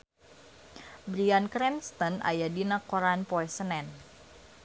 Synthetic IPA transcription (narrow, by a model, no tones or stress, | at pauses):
bɾiankɾɛmst̪ənʔa̰jadinakɔɾanpɔɛsənɛn